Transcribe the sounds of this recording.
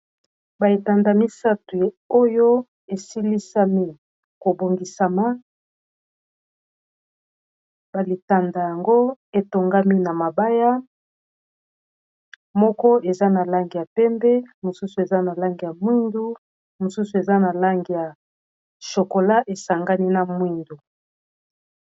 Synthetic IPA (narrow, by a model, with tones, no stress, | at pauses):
ba˨i˨ta˨nda˨mi˦sa˦tu˨ | o˦jo˦ | e˨si˦li˦sa˦mi˦ | ko˨bo˨ŋɡi˨sa˨ma˦ | ba˨li˨ta˨nda˨ja˨ŋɡo˦e˨to˨ŋɡa˦mi˦na˨ma˨ba˦ja˦ | mɔ˦kɔ˦e˨za˦na˨la˦ŋɡi˨ja˨pɛ˦mbɛ˦mo˨su˦su˨e˨za˦na˨la˦ŋɡi˨ja˨mwi˦ndu˦ | mo˨su˦su˨e˨za˦na˨la˦ŋɡi˨ja˨ | ʃo˨ko˨la˦ʔe˨sa˨ŋɡa˦ni˦na˨mwi˦ndu˨